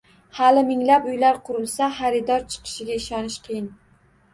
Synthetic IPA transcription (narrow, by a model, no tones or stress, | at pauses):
halɪmɪŋlapʊjlaɾqʰʊɾɪlˠsaχaɾɪd̪ɒɾt͡ʃʰɨ̥qʰɨ̥ʃɪɡʲaɪʃɒnɪʃqʰɨjɪn